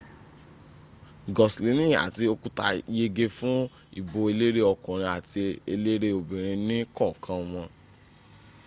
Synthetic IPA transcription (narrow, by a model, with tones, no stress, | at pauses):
ɡɔ˨sli˨˦nĩ˦a̰˨ti˧o˧ku˦ta̰˧je˧ɡe˧fũ˦ | ḭ˦˨bo˧e˧le˦ɾe˦ɔ˧kɔ̃˨ɾ̃ĩ˧a˨ti˧e˧le˦ɾe˦o˨bĩ˨ɾ̃ĩ˧nĩ˦kɔ˦˨kʰã˧m̃ɔ̃˧